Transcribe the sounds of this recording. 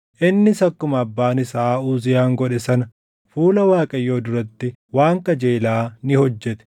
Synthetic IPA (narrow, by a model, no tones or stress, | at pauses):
ʔɪnːɪsɐkːʊmɐɐbːaːnɪsaːuːzɪjaːŋɡɔᶑɛsɐnɐ | fuːlɐwaːkʼɐjːo̞ːd̪ʊɾɐt̪ːɪwaːŋkɐd͡ʒeːlaːnɪhɔd͡ʒːɛt̪ɛ̥